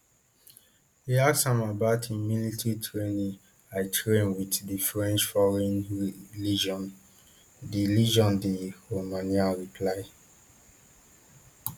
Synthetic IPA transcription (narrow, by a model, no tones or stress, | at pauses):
hiadsãmabatʰimjunitʰɹitʰɹenĩ | aɪtʰɹẽnwiðdifɹɛ̃nt͡ʃfɔɹɛ̃nɹlid͡ʒɔ̃n | diliʒɔ̃ndihomãnialɹipʰlaɪ